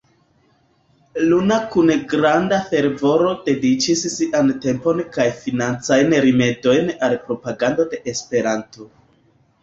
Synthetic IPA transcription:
lunakunɡɾandafe̞ɾvo̞ɾo̞de̞dit͡ʃissiʔante̞mpo̞nkajfinant͡sajnɾime̞do̞jnalpɾo̞paɡando̞de̞ʔespe̞ɾanto̞

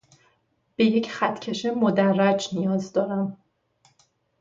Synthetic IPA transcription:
b̥e̞je̞cχæt̪ʰcʰe̞ʃemod̪ærːæd͡ʒnijɒːzd̪ɒːɾæm

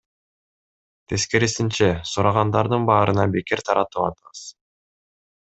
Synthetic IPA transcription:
t̪ʰe̞ske̞ɾisint͡ʃesuɾɑʁɑnd̪ɑɾd̪ɯnbɑːɾɯnɑbekiɾt̪ʰɑɾɑt̪ɯpɑ̰t̪ɯʁɯz̥

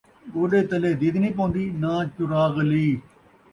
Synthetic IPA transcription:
oːɖeːt̪əleːd̪iːd̪nĩːp̬õːnd̪iːnãːt͡ʃʊɾaːɣliː

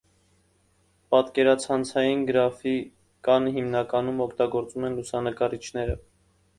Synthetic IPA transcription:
pɑt̪kɛɾɑt͡sʰɑnt͡sʰɑjinɡəɾɑfi | kɑnəɦimnɑkɑnumɔkʰt̪ɑɡɔɾt͡sumɛnlusɑnəkɑɾit͡ʃʰnɛɾə̰

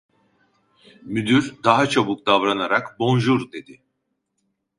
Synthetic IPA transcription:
myd̪yɾd̪aɦat͡ʃʰobuk̚d̪avɾanaɾakbo̞nʒuɾd̪e̞d̪ɪ

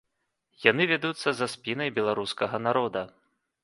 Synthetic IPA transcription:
janɨvʲad̪ut̪sːɐzaspʲinɐjbʲɛlˠaɾuskɐɣɐnaɾɔd̪ɐ

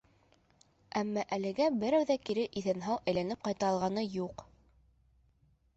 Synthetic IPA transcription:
æmːɑʔælɘ̆ɡæbɘ̆ɾæwðækiɾɘʔiθænɦɑwʔæjlænɘp̚qɑjt̪ɑːlˠʁɑnɤjuq

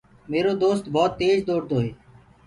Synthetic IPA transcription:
meːɾoːd̪oːst̪bʱɔːt̪ːeːd͡ʒd̪oːɾd̪oːɦeː

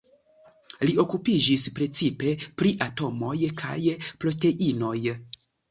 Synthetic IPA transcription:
lio̞kupid͡ʒispɾe̞t͡sipe̞pɾiʔato̞mo̞jkʰa̰jpɾo̞te̞ʔino̞j

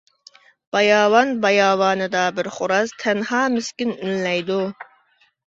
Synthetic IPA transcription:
b̥ɑjɑːwɑnbɑjɑːwɑːnɨd̪ɑbɪɾχoɾɑst̪ʰɛnɦɑːmɪskʲinynlɛjd̪u

